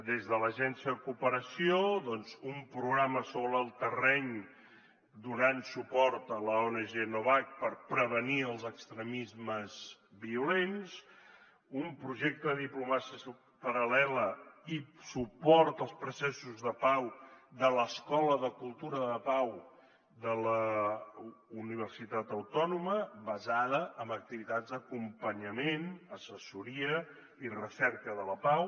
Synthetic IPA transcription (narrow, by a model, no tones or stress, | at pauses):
d̪ezðələʒɛnsiəðəkupəɾəsioðɔnzumpɾuɣɾaməsoβɾəːlˠt̪ərɛɲ | d̪unansupɔɾt̪ələonəʒenoβak̚pəɾpɾəβəniəlˠzəkst̪ɾəmizməzβiulens | umpɾuʒɛk̚t̪əðəðiplumasis | pəɾəlɛləisupɔɾt̪əlˠspɾusɛsuzðəpawðələskɔləðəkulˠt̪uɾəðəpaw | d̪ələ | uniβ̞ərsit̪at̪əwt̪ɔnuməβəzaðəʔəmbək̚t̪iβit̪ad͡zd̪əkumpəɲəmenəsəsuɾiə | irəsɛrkəðələpaw